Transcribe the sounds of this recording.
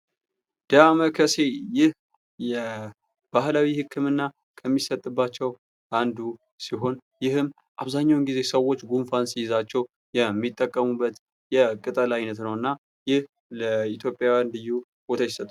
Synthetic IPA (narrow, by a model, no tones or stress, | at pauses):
d̪̥əaməkʰəse̞jɪh | jɛ | b̥ahlawihɨkʰːɨmɨnːa | kʰəmːisət̪ʼːɨbːat͡ʃːɛw | ʔand̪u | siɦo̞njɪhɨm | ʔaβzaɲːawnɡize̞səwo̞t͡ʃːɡunfansijɪzat͡ʃːɛw | jɛmːit̪ʼːəkʼːəmubːət̪ | jɛkʼɨt̪ʼəlajnət̪nəwɨnːa | jɪh | ləit̪ʰjo̞pʼjawjandɨjːu | bot̪ʰajsət̪ʼːa